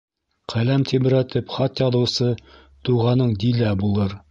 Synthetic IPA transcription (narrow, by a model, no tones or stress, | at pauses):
qʰælæmt̪ʰiβɘ̆ɾæt̪ɘpχɑt̪jɑðɤ̆wsɤ | t̪uʁɑnɤɴd̪ilæbulˠɤɾ